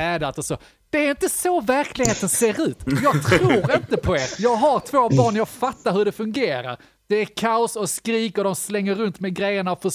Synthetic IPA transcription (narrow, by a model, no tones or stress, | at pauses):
ɛːd̪at̪ɔso | d̪̥ɛːɾɪnt̪əsovæɾkʰlɪɡheːt̪ənseːɾʉ̟ːt̪jɑːɡt̪ʰɾuːɾɪnt̪əpʰɔḛːɾjɑːɡɦaɾt̪ʰv̥oːbɑːɳjɑɡfat̪ːaɾhɵɖɛfɵŋɡeːɾa̰ɾ | d̪̥ɛæɾkʰaʊsɔskɾiːkɔd̪ɔmslɛŋːəɾɵnt̪mɛɡɾɛjːəɳaɔfœ